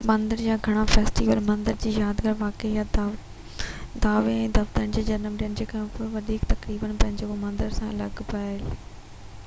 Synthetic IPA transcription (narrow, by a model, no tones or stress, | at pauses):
mɐ̃nd̪əɾjaːɡʱɐɽ̃afeːsʈiːʋəlmɐ̃nd̪əɾd͡ʑiːjaːd̪ɡʱəɾʋaːkeja | d̪aːʋeɛ̃ːd̪ɐft̪əənɪ̆d͡ʑeːd͡ʑɐnəmɗijənɪ̆d͡ʑeːkɐmpoʋɐd̪ʱiːkt̪ɐkɾiːbənpɐ̃ɦɪ̃ɲd͡ʑekomɐ̃nd̪əɾsãɐ̰lɐɡpaːɦɪl